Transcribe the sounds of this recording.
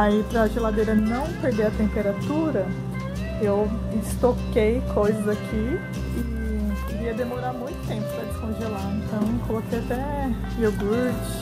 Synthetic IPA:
aipɾɐʒelad̪ejɾɐnɐ̃w̃peɾd̪eɾɐt̪ẽmpeɾat̪uɾɐ | ew | ɪst̪okejkʰojzɐzakʰi | i | viɐd̪emoɾaɾmũj̃t̪ʊ̥t̪ẽpʊ̥pɾɐd͡ʒɪskõʒelaẽnt̪ɐ̃w̃kʰolokejat̪ɛ | ewɡuɾt͡ʃɪ̥

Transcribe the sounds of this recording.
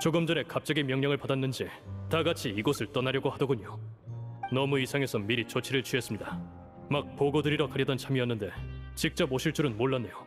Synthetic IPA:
t͡ɕoɡɯmd͡ʑʌne̞kap̚t͡ɕ͈ʌɡimjʌŋɲʌŋɯɭpadanːɯnd͡ʑi | taɡat͡ɕʰiːɡʌsʰɯɭt͈ʌnaɾjʌɡohadʌɡuɲo | nʌmuisʰaŋe̞sʰʌmiɾit͡ɕot͡ɕʰiɾɯɭt͡ɕɥes͈ɯmɲida | mak̚poɡodɯɾiɾʌkaɾjʌdʌnt͡ɕʰamiʌnːɯnde̞t͡ɕik̚t͡ɕ͈ʌboɕʰiɭt͡ɕ͈ʰuɾɯnmoɭːanːe̞jo

